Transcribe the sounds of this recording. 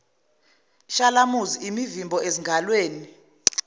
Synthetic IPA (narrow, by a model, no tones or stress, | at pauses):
ʃalamuziimivimbʱɔeziŋɡʱalweːni